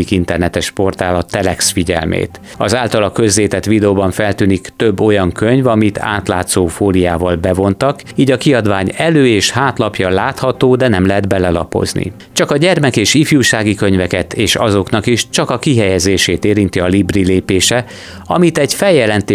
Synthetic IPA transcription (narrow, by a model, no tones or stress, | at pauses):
ikint̪ɛrnɛt̪ɛʃpo̞rt̪aːlɒt̪ːɛlɛksfiɟɛ̰lmḛːt̪ | ɒzaːlt̪ɒlɒkøzleːt̪ɛt̪ʋid̪ɛoːbɒɱfɛlt̪yːnikt̪ø̞bːo̞jɒŋkø̞ɲvɒmit̪ʰa̰ːt̪laːt̪soːfoːlijaːvɒlbɛvo̞nt̪ɒk | iːɟɒkiɒd̪vaːɲɛløːeːʃhaːt̪lɒpjɒlaːt̪hɒt̪oːd̪ɛnɛmlɛɦɛd̪bɛlɛlɒ̰po̰znḭ | t͡ʃɒkɒɟɛrmɛkeːʃifjuːʃaːɡikøɲvɛkɛt̪ʰeːʃɒ̰zo̞knɒkiʃt͡ʃɒkɒkiɦɛjɛzeːʃeːt̪eːɾint̪iɒlibrileːpeːʃɛ | ɒ̰mit̪ɛɟfɛljɛlɛnt̪e